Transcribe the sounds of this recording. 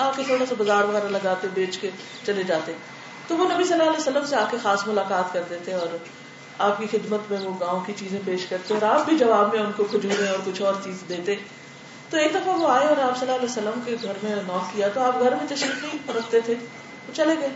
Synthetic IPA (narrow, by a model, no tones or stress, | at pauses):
aːp̚ket̪ʰoːɽasabɐzaːɾʋɐɣɛːɾalɐɡaːt̪ẽbeːt͡ʃke | t͡ʃɐled͡ʒaːt̪eɛ̃ | t̪oʋonɐbisɐlːaɐlɛːsəlːəmseaːp̚kexaːsmʊlaːkaːt̪kɐɾd̪eːt̪ẽɔːɾ | aːp̚kixɪd̪mət̪mẽʋoɡãːõkit͡ʃiːzẽpeːʃkɐɾt̪eẽɔːɾaːp̚bʱid͡ʒɐbaːbmẽʊnkoxʊd͡ʒuːɾẽɔːɾkʊt͡ʃʰɔːɾt͡ʃiːzd̪eːt̪e | t̪oeːk̚d̪ɐfaʋoaːeɔːɾaːpsɐlːaːlɛːsəlːəmkeɡʱɐɾmẽnɔːkːijat̪oaːp̚ɡʱɐɾmẽt̪ɐʃɾiːknɐĩɾɐkt̪et̪ʰe | t̪ot͡ʃɐleɡɐeː